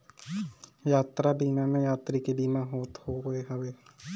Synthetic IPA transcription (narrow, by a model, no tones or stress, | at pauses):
jaːt̪ɾabiːmamẽjaːt̪ɾikebiːmãɦoːt̪hoɡeɦəʋeː